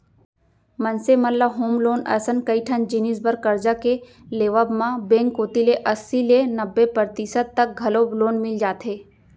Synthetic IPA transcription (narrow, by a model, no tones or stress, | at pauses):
mɐnsemɐlːaɦoːmloːnɐ̰ɾsənkɐiʈʰɐnd͡ʒinisbɐɾkɐɾd͡ʒake | leːʋaːbmãbẽːŋkːoːt̪ileʔɐsːilenɐbːepəɾt̪isəd̪̚t̪ːɐk̚ɡʱɐloːbloːnmɪld͡ʒaːt̪ɦeː